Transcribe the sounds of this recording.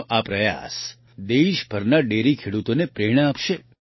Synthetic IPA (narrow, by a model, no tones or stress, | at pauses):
ʔapɾəja̰s | d̪eʃbʱəɾnaɖeɾikʰeɽut̪onepɾeɽ̃əapʃe